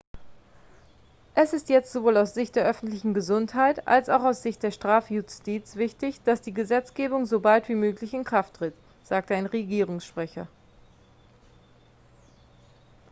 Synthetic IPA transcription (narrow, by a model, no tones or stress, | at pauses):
ʔɛsɪstjɛt͡stz̥ovoːlaʊsz̥ɪçt̚d̥eːɐʔœfn̩tlɪçn̩ɡəzʊnthaɪtʔa̰lsaʊxaʊsz̥ɪçt̚d̥eːɐʃtʁ̥aːfjʊstiːt͡sv̥ɪçdɪçd̥asd̥iːɡəzɛt͡sɡ̥eːbʊŋzobaltv̥iːmøːklɪçɪnkʁ̥aftʁ̥ɪt | z̥aːk̚təaɪnʁeɡiːʁʊŋsʃpʁ̥ɛçɐ